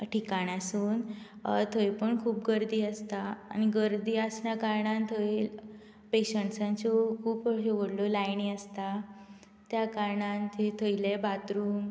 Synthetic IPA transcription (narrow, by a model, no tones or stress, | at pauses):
ʈʰikaɽasuːn | t̪ʰəjpəɳkʰuːpɡəɾd̪iːəst̪a̰ːniɡəɾd̪iːasnjakaɾɳant̪ʰəil | peɕəɳʈsãɲt͡sokʰuːpəɕəʋəɽlolajɳiəst̪a | t̪jakaɾɳant̪ʰet̪ʰəjlebat̪ɾuːn